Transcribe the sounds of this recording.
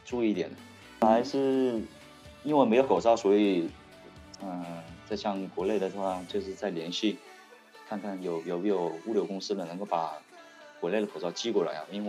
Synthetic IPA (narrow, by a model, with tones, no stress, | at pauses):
ʈ͡ʂu˥˧i˥˩t̪jɛ˨˩nə˦˩ | xa˧˥ɪʂɻ̩˥˧ | i˥nwe˥˩ɪme˧˥ɪjo˧˥kʰo˨˩ʊt͡sɑ˥˩ʊswɔ˧˥i˨˩ | ə˧t͡sa˥˧ɪɕjɑ˥˩ŋkwɔ˧˥le˥˩ɪd̪ə˩xwa˥˩t͡ɕjo˥˧ʊʂ̬ɻ̩˥˧t͡sa˥˩ɪljɛ˧˥nɕi˥˧ | kʰa˥˧nk̪ʰa˥˩njo˨˩ʊjo˨˩ʊ˥˩jo˧˩ʊu˥˩ljo˧˥ʊkʊ˥ŋsɹ̩˥nə˨˩nɤ˧˥ŋko˥˩ʊpa˨˩ | kwɔ˧˥le˥˩də˩kʰo˨˩ʊt͡sɑ˥˩ʊt͡ɕi˥kwɔ˨˩la̰˧˩ɪa˧˥˩i˥nwe˥˩